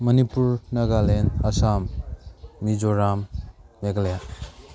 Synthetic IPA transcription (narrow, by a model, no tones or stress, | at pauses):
mʌnipuɾnɐɡalenasam | nid͡ʒoɾamːeɡlja